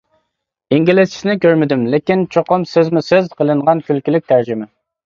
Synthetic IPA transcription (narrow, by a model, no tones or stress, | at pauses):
iŋɡʲilɪst͡ʃʰi̥snɪkʲøɾmɪd̪ymlɪkʲint͡ʃʰoqʊmsɪzmusezqʰəlˠɨɴʁɑnkʲylkʲilɪk̚ʲt̪ʰæɾd͡ʒɪmɪ